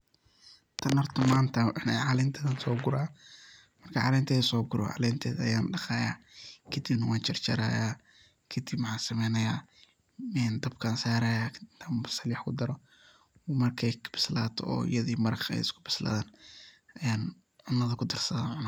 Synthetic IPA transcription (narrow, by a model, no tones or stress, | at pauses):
t̪ʰɐnɐrt̪ʰɔmaːnt̪ʰɐħnɛʕɑːlɪnt̪ʰɛɐnsɔːɡʊɾaː | mɐrkʰɐʕɑ̰ːlɛnt̪ʰɛːðsɔːɡʊɾɔ̰ʕɑ̰ːlɛːnt̪ʰɛːðɐ̰jaːnɖɑχaːja̰ːkʰɐd̪ibnɐwaːnt͡ʃɪrt͡ʃɐ̰ɾa̰ːjaː | kʰɐd̪ibmħaːsɐmɛjnɐjaː | ɛːnd̪ɐbkʰaːnsaːɾɐjaːkʰd̪t̪ʰambɐsɐljɑħkʰʊd̪ɐɾɔ | mɐrkʰɛjkʰɐ̥b̥ɪ̥slaːt̪ʰɔ̰ɔ̰ːɪ̰jɐðiːmɐɾɐχɛ̰jɪskʰʊbɪ̥sla̰ːðaːnɐjaːn | ʕʊnːɐðɐkʰʊd̪ɐrsɐðaːnʕʊnaː